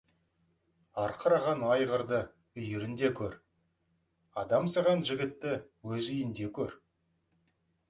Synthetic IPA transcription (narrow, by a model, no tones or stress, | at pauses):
ɑɾqʰəɾɑʁɑnɑjʁəɾd̪ə | ʏjɪɾɪnd̪e̞kʲʰɵɾ | ɑd̪ɑmsɑʁɑnʒɪɡʲɪt̪ːɪwɵzʏjɪnd̪e̞kʲʰɵɾ